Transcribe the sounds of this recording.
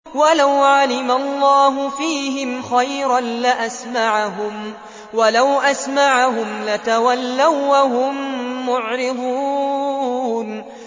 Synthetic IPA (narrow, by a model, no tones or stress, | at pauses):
walawʕalɪmalˤːɑːɦʊfiːɦɪmxajɾanlaʔasmaʕaɦʊm | walawʔasmaʕahʊmlat̪awalːawːaɦʊmːʊʕɾɪd̪ˤuː | n